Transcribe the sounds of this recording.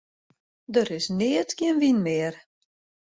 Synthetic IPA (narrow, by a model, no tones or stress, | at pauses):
dəɾɪsnɪətɡɪənʋinmɪːər